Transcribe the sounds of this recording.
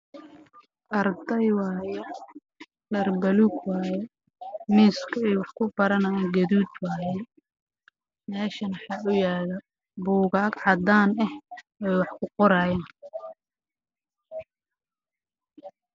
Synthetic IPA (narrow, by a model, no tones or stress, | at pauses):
ʔɐrd̪ɐjwɑːjɛ | ɖɐrbɐluːɡwaːjɛ | miːskʰɐɛjwɑħkʰʊbɐɾɐnɐjaːɡɐðuːd̪waːjɛ | mɛːʃɐnɑħɑːʔʊjaːðɐ | buːɣaːɡʕɑd̪aːnɛh | ɛwɑħkʰʊqɔɾaːjaːn